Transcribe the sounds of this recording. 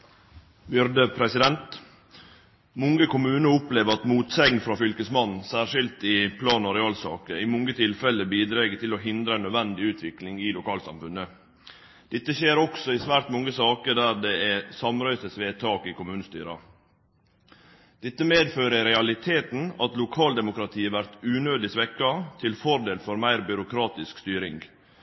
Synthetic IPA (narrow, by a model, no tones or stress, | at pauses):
bʏɾd̪əpʰɾɛsɪd̪ɛnt̪ | mɔŋəkʊmʉːnəʊpleːʋəɾɑt̪muːt̪sɛŋnfɾɑːfʏlkəsmɑnːsæːɾʂɪlt̪ɪpʰlɑːnɔɾɪɑːlsɑ̰ːkəɪmɔŋɡət̪ʰɪlfɛlːəbiːd̪ɾɛːɡət̪ʰɪlɔɦɪnd̪ɾəɛnːœd̪ʋɛnd̪ɪʉːt̪ʰʋɪklɪŋɪlʊkʰɑːlsɑ̰mfʉnə | d̪̥ɪt̪ːəçeːɾɔksɔɪsʋæːɾt̪mɔŋːəsɑːkəd̪æːɾd̪ɛæsɑmɾœʏsəsʋeːt̪ʰɑːkɪkʰʊmʉːnəst̪y̰ːɾɑ | d̪̥ɛt̪ːəmeːd̪føːɾəɾɛɑlɪt̪ʰeːt̪n̩ɑt̪lʊkʰɑːld̪ɛmʊkɾɑt̪ʰiːəʋæɾt̪ʉːnøːd̪ɪsʋɛkːɑt̪ʰɪlfɔɾd̪eːlfɔɾmæɪɾbʏɾʊkʰɾɑːt̪ɪskst̪yːɾɪŋɡ